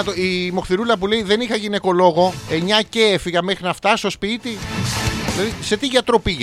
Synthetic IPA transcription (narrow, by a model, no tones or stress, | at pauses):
t̪oimo̞xθiɾulɐpule̞iðe̞nixɐʝine̞ko̞lo̞ɣo̞e̞ɲɐce̞efiɣɐmexɾinɐft̪ɐst̪o̞spit̪iðilɐðise̞t̪iʝɐt̪ɾo̞piʝ